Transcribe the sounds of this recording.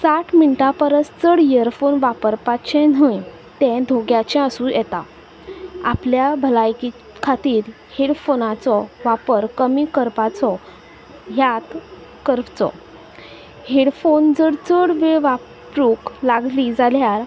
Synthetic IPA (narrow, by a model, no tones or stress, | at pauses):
saʈʰmiɳʈapəɾəst͡səɽijəəɾfonʋapəɾpat͡ɕɛ̃nəj | t̪ɛ̃d̪ʱoɡjat͡ɕɛ̃əsũjʔɛt̪a | apljabʱəlajki | kʰat̪iːɾ | heɽfonat͡sɔʋapəɾkəmikəɾpat͡sɔ | ɦjat̪ | kəɾpt͡sɔ̰ | heɽfond͡zəɽt͡səɽʋeʋa | ɾuklaɡlid͡zaljaɾ